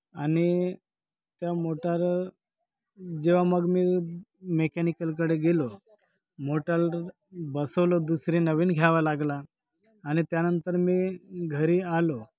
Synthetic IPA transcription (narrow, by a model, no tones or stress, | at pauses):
añi | t̪jamoʈaɾ | d͡ʑeʋaməɡmiːmekanikəlk̬əɽeɡelo | moʈəl | bəsəʋlod̪usɾinəʋiːnɡʱjaʋalaɡlaː | ñit̪janənt̪əɾmiːɡʱəɾiːalo